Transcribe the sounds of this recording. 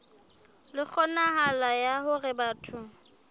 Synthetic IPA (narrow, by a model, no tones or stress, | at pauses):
lɪk͡xʰɔnaɦalajahʊrɪbaːtʰʊ